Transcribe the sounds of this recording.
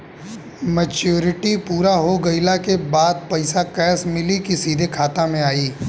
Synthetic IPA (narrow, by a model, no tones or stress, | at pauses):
mɛt͡ʃjuːɾɪʈipuːɾaɦoɡɐɪlakebaːd̪̚pɐɪsakɛːsmɪlikisiːd̪ʱekʰaːt̪amẽaːiː